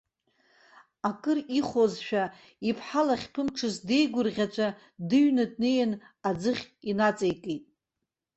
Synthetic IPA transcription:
akʼɨriχozʃᶣa | ipʰħalaχʲpʰɨmʈ͡ʂʰɨzde̞jɡʷʊrʁʲat͡ʃʷʰʼa | dɨɥnɨd̚nejan | ad͡zɨχʲinat͡sʼejkʼejtʼ

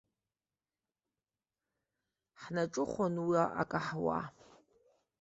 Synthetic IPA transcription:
ħnaʈ͡ʂʼɨχʷonwiaʔa̰kʼaħwa̰

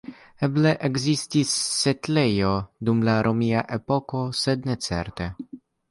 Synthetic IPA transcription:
ebleʔeɡzistisːet̪lejo̞d̪umlaɾʔomiaʔepo̞ko̞sed̪net͡sḛɾt̪e

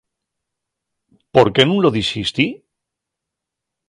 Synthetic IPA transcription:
po̞ɾke̞nũnloðisist̪i

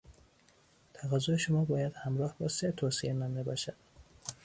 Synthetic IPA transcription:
t̪ʰæɣæzːoeʃomɒːbɒːjæd̪̥hæmɾɒːhbɒːset̪ʰoːsienænd̪ebɒːʃæd̪̥

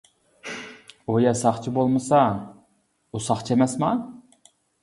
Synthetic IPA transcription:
ojɛsɑχt͡ʃʰibolˠmɨsɑ | usɑχt͡ʃʰemɛsmɑ

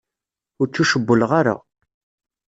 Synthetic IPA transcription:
ʊɾt͡sːuʃəbːəlʁaɾa̰

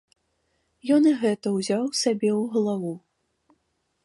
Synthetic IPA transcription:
jɔniɣɛt̪ɐwzʲawsʲabʲɛwɣlˠavu

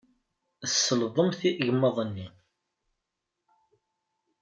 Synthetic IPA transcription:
əsːəlðˤəmθiʔʝəmːəðˤənːi

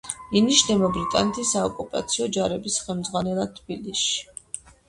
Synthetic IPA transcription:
iniʃnɛbabɾit̪ʼa̰nɛt̪ʰisaɔkʼupʼa̰t̪sʰiɔd͡ʒaɾɛbisχɛlˠmd̪zʁwanɛlˠat̪ʰbilisʃi̥

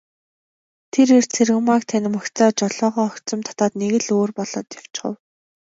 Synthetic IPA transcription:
t̪ʰeɾer̥t͡sʰerɣɘ̆makt̪ʰænʲɪ̆mɔkt͡sɔːt͡ɕɔɮɔːʁɔːɔkt͡sɞ̆mt̪ʰḁt̪aːt̪neɣɘ̆ɮoːrpɔɮɔ̰ːt̪jaw̥t͡ɕɢə̰̆w

